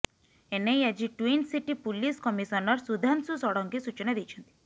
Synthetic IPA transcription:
enejad͡ʒiʈwinsiʈipuliskɔmisɔnɔɾsud̪ʱansusɔɽɔŋkisut͡ʃnad̪it͡ʃʰənt̪i̥

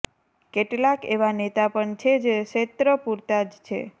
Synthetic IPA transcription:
keʈlakeʋanet̪apəɳt͡ʃʰed͡ʒeʃet̪ɾəpuɾt̪ad͡ʒt͡ʃʰḛ

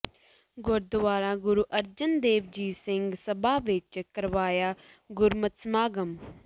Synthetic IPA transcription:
ɡʊɾd̪əʋaːɾãːɡʊɾuːʔəɾd͡ʒənd̪eːʋd͡ʒiːsɪŋɡsəbaːʋɪt͡ʃkəɾʋaːjaː | ɡʊɾmət̪smaːɡəm

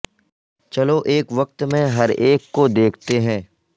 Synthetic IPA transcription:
t͡ʃɐloʔeːkʋɐq̚t̪mẽɦɐɾeːkːod̪eːkʰt̪eɦɛ̃ː

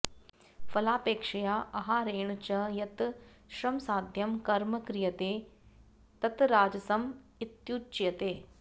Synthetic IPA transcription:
fɐlaːpeːkʂɐjaːʔɐɦaːɾeːɳt͡ʃɐjɐt̪ | ʃɾɐmsaːd̪ʱjɐmkɐɾmɐkɾijɐt̪eː | t̪ɐt̪ɾaːd͡ʒɐsɐmit̪juːt͡ʃt͡ʃjɐt̪eː

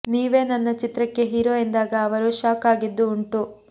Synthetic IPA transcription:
niːʋe̞ːnɐnːɐt͡ʃit̪ɾɐkːe̞ɦiːɾoːend̪aːɡɐːʋɐɾuʃaːkaːɡid̪ːuːɳʈu

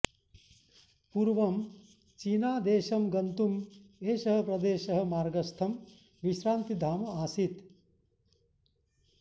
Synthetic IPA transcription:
puːɾʋɐm | t͡ʃiːnaːd̪eːʃɐmɡɐnt̪umeːʃɐɦɐ̆pɾɐd̪eːʃɐɦɐ̆maːɾɡɐst̪ʰɐm | ʋiʃɾaːnt̪id̪ʱaːmɐaːsit̪

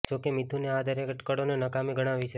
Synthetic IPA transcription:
d͡ʒokemit̪ʰunead̪ʱaɾekəʈkəɽonenəkamiɡəɽ̃aʋit͡ʃʰe

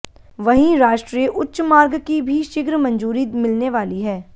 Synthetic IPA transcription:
ʋɐɦĩɾaːʃʈɾieʔʊtːʃmaːɾɡkibʱiʃɪkɾmɐ̃nd͡ʒuːɾimɪlneʋaːliɦɛː

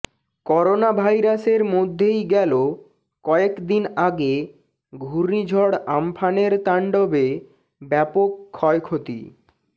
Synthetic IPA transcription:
kɔɾonabʱajɾaseɾmod̪ʱːejɡɛlo | kɔekd̪inaɡe | ɡʱuɾid͡ʑʱɔɽampʰaneɾt̪aɳɖobe | bɛpokʰːɔekʰot̪ḭ

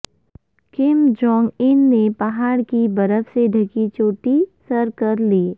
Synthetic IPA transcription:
kɪmd͡ʒɔ̃ːŋɡɪnːepɐɦaːɽkibɐɾəfseɖʱɐkit͡ʃoːʈisəɾkɐɾliː

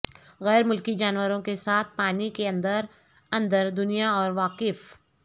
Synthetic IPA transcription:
ɣɛːɾmʊlkid͡ʒaːnwəɾõkesaːt̪̚ʰpaːnikeɐ̃nd̪əɾ | ɐ̃nd̪əɾd̪ʊnijaɔːɾʋaːqɪf

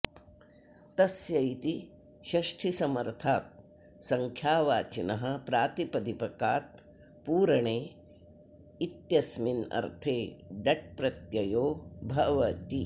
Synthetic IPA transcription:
t̪ɐsjɐjt̪i | ʃɐʃʈʰisɐmɐɾt̪ʰaːt̪̚ | sɐŋkʰjaːʋaːt͡ʃinɐɦɐ̆pɾaːt̪ipɐd̪ipɐkaːt̪̚ | puːɾɐɳeː | it̪jɐsminɐ̰ɾt̪ʰeːɖɐʈ̚pɾɐt̪jɐjoːbʱɐʋɐt̪i

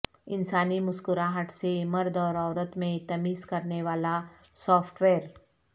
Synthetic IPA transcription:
insaniːmuskuɾaɦaʈʰseməɾd̪ɔːɾɔwɾət̪mẽt̪ɐmiːskəɾneʋaːla | sɔfʰʈʋeɾ

